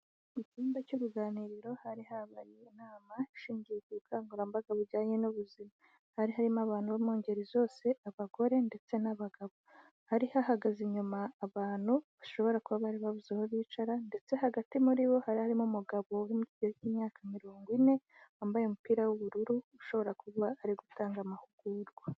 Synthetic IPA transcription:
iciːmbacuɾuɡaːniɾiɾo̞haɾihaβaɾinaːmaiʃiːɲɟijekuukʰaːŋɡuɾambaɡaβuɾɟaːɲe̞nuβuzima | haɾiɦaɾimaβaːnhuβaimoːɲɟe̞ɾizo̞ːse̞ʔaβaɡo̞ɾe̞nde̞t͡se̞naβaɡaβo | haɾihaɦaɡaziɲumaːβaːn̥huβaʃo̞βo̞ɾakuβaβaɾiβaβuzehoβiːt͡ʃaɾande̞t͡se̞ɦaɡatimuɾiβo̞haɾihaɾimumuɡaβo̞ɾimuiɟeciːmɲaːkamiɾoːŋɡwine̞ | aːmbajomupiːɾawuβuɾuɾuuʃo̞βo̞ɾakuβaːɾiɡutaːŋɡamahuɡ̥uɾɡwa

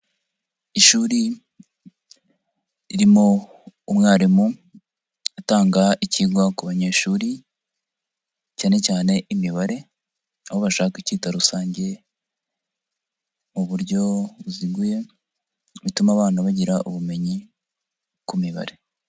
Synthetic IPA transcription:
iʃuːɾi | iɾimoː | mŋaːɾimu | utaːŋɡaiciɡwakuβaɲe̞ːʃuːɾi | caːne̞caːne̞imiβaɾe̞ | ahoβaʃaːkiciːtaɾusaːɲɟe̞ | muβuɾɟo̞βuziɡuje̞ | βitumaβaːnaβaɟiɾaʔuβume̞ɲi | kumiβa̰ɾe̞

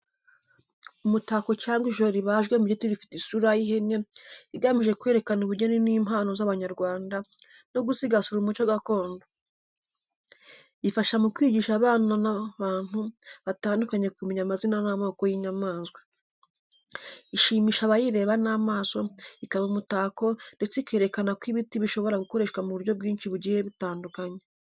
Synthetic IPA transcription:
umutaːko̞caːŋɡwiʒoɾiβaːʒɡwe̞muɟetiɾifi̥tisuɾajiɦeneiɡamiʒe̞kwe̞ɾe̞kanuβuɾɟeneniːm̥haːno̞zaβaɲaɾɡwaːnda | no̞ɡusiɡasuɾumut͡ʃoɡako̞ːndo | ifaʃamukwiːɟiʃaβaːnanaβaːn̥huβataːndukaɲe̞kumeɲamazinanamoːko̞jiɲamaːnzɡwe | iʃiːmiʃaβajiɾe̞ːβanaːmaːso̞ikaβaumutaːko̞nde̞t͡seikeɾe̞kanakwiβitiβiʃo̞βo̞ɾaɡuko̞ɾe̞ʃkwamuβuɾɟo̞b̚ɡiːnʃiβuɾɟihe̞βitaːndukaɲe̞

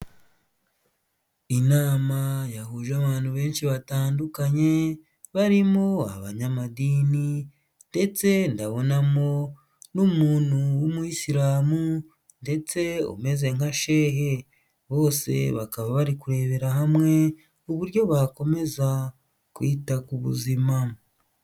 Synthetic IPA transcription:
inaːmajahuʒaβaːnhuβe̞ːnʃiβataːndukaɲe̞ | βaɾimo̞a̰βa̰ɲamadiːni | nde̞t͡se̞ndaβo̞namo̞ | numuːnhuwumuisiɾaːmu | nde̞t͡se̞o̰me̞ze̞ŋaʃe̞ɦe̞ | βo̞ːse̞̰βakaβaβaɾikuɾe̞βe̞ɾaɦamŋe̞ | uβuɾjo̞βako̞me̞za | kwitakuβṵzima

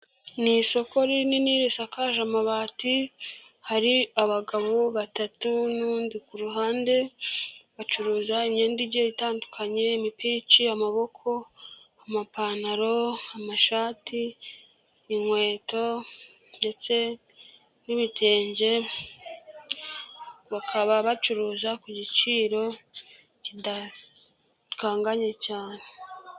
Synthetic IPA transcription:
niso̞ko̞ɾininiɾesakaːʒamaβaːti | haɾiaβaɡaβoβatatunuːndikuɾuɦaːnde̞βat͡ʃuɾuːzaimɲeːndiɟeitaːndukʰaɲe̞imipiːt͡ʃiamaβo̞kʰo̞ | amapanaɾo̞amaʃaːtiː | ŋwe̞ːto̞ | nde̞t͡se̞ | niβitʰe̞ːɲɟe̞ | βakʰaβaβat͡ʃuɾuːzakuɟit͡ʃiːɾo̞ | cida | kaːŋɡaɲe̞caːne̞

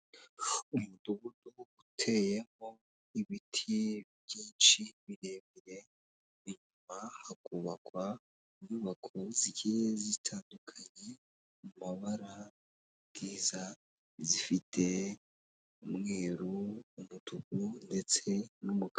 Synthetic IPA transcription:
umuduɡunuɡutʰe̞je̞mo | iβitʰiβjiːnt͡ʃiβiɾeːmiɾe̞ | βiɲumahakuːβakwa | iɲuːβakʰoziɟijezitʰaːndukʰaɲe | mumaβaɾa | ɡ̥iːza | zifitʰe̞ | umŋeːɾuːmud̥uɡunde̞t͡se̞numuk

